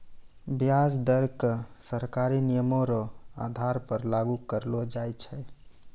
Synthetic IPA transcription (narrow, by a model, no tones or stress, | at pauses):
bjad͡ʒd̪əɾkəsəɾkaɾinijəmoɾɔa̰d̪ʱaɾpəɾlaɡukəɾlod͡ʒajt͡ʃʰɛ